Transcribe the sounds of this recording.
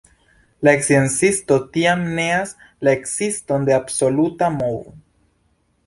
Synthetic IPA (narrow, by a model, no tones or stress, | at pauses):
laeksiensisto̞t̪iamneas | laeksistond̪eabso̞lutamovo